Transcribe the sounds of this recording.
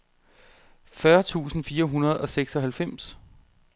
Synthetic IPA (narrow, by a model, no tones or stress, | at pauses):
fɶɐt͡sʰṵːsn̩fiːɐɦunɐð̞ˠɒ̽seɡ̥sɒ̽ɦælfem̰s